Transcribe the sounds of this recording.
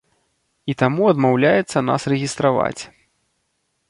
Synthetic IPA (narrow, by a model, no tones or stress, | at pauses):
it̪amuɐd̪mawlʲajɛt̪sːɐna̰srɛɣʲist̪ɾava̰t͡sʲ